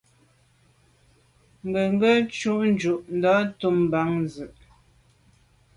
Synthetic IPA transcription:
ŋ̩˦ɡə˨ŋ˦ɡə˦t͡ʃu˦ʔn˦d͡ʒu˨ʔn̩˦dɔ˨˦tu˦m˨ba˨˦ŋnzʉ˨ʔ

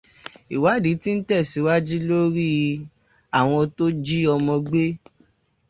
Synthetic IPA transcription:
i˨wa˨˦di˨˦ti˦n̩˦tɛ˦˨si˨˦wa˦d͡ʒi˦lo˦ɾi˦˧ | a˦˨w̃ɔ̃˧to˦d͡ʒi˦ɔ˧mɔ̃˧ɡ͡be˦

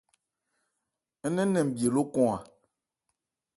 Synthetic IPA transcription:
ɛ˦nɛ̃˦nɛ̃˨m̩˨bi˨e˨lo˦kɔ̃˦a˨

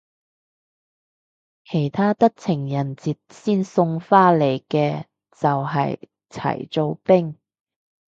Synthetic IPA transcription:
kʰe˨˩jt̪ʰaː˥t̪ɐ˥k̚t͡sʰɪ˨˩ŋjɐ˨˩nt͡siː˨t̚siː˥nsʊ˧ŋfaː˥le˨˩jkɛː˧ | t͡sɐ˨wɦɐ̰˨j | t͡sʰɐ̰˨˩jt͡so˧wpɪ˥ŋ

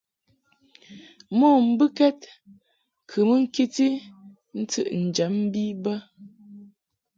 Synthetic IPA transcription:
mɔ˦˨m̩˦bɨ˦kɛ˦t̚ | kʰɨ˨mə˦ŋ̩˦ki˦ti˦ | n̩˦tɨ̰˦ʔn̩˨d͡ʒə˨˦m̩˦bi˦bə˦

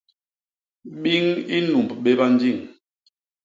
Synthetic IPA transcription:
ɓi˦ŋi˦nu˨mbɓe˦ba˦n˦d͡ʒi˦˨ŋ

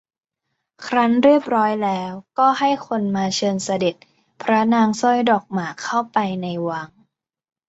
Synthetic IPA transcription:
kʰɾa˦˥nɾi˥˩əp̚ɾɔː˦˥jlɛː˦˥wkɔː˥˩ha˥˩jkʰo˧nmaː˧t͡ɕʰɤː˧nsa˧de˨˩t̪̚ | pʰɾa˦˥naː˧ŋsɔ˥˩jdɔː˨˩k̚maː˨˩kʰːa˥˩wpa˧jna˧jwa˦˥ŋ

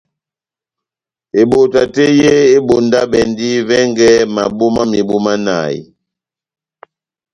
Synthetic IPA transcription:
e˨ɓo˨ta˨te˦je˦e˦ɓo˨nda˦ɓɛ˨ndi˦vɛ˦ŋɡɛ˦ma˨bu˦ma˦mi˨bu˦ma˦na̰˨ḭ˨

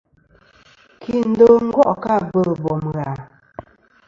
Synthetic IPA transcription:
kʰi˨n̩˨˦do˦ŋ̩˦ɡwɔ˦ʔka˦˨bə˦˨bɔ˨mɣa˨

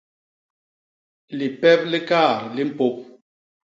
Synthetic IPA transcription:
li˨pɛ˦p̚li˦ka˦˨ɾli˦m̩˦˨po˦p̚

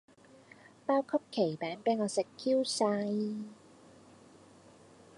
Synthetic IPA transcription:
paː˥wkʰɐ˥p̚kʰe˨˩jpɛː˨˥npeː˨˧˥nŋɔː˨˧sɪ˨˩kʰːiː˥wsaː˧j

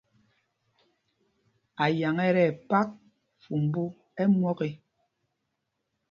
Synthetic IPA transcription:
a˨ja˨ŋɛ˦ɾɛ˨pa˦k̚ | fu˨m̩˨bu˦ | ɛ˦mwɔ˦ke˦

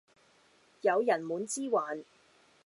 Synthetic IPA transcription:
jɐ˨˧wjɐ˨˩nmuː˨˧nt͡siː˥waː˨n

